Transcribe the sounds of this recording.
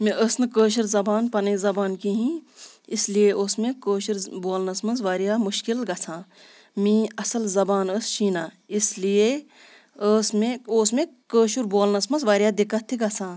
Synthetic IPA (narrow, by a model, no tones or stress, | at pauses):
mĩʔəsnɨkəːʃ̬uɾzɐbaːnpɐnɐzɐbaːnkiɦĩːɪslijeʔoːsmẽkəːʃɾboːlnɐsmɐnzʋaːɾijaːmuʃkilɡɐt͡sʰãː | mĩːɐsɐlzɐbaːnəːsʃĩːnaː | islije | əːsmẽoːsmẽkəːʃuɾboːlnɐsmɐnzʋaːɾʲijaːd̪ikɐt̪ʰːiɡɐt͡sʰãː